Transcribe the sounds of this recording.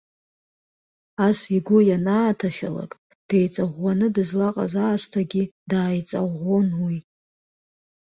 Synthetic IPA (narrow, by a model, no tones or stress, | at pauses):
asiɡʷʊjanaːtʰaχʲala̰kʼ | d̥ejt͡sʼaʁʷanɨdɨzlaqʼa̰zaːstʰaɡʲidaːjt͡sʼaʁonwi